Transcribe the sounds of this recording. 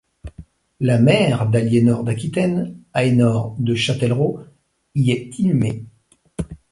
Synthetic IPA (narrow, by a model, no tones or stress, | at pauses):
lamɛʁd̪aljenɔʁd̪akʲit̪ɛnaenɔʁd̪əʃat̪ɛlʁo | iɛt̪inyme